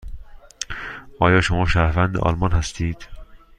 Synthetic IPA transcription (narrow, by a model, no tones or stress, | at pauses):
ʔɒːjɒːʃomɒːʃæːɾvænd̪ḛʔɒ̰ːlmɒnhæst̪ʰiːd̪̥